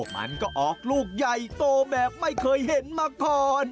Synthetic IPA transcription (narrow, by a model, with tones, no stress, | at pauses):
ək̚ma̰˦˥nkɔː˥˩ʔɔː˨˩k̚luː˥˩k̚ja˨˩jt̪oː˧bɛː˨˩p̚ma˥˩jkʰɤː˧jɦe˨˩˦nmaː˧kɔː˨˩n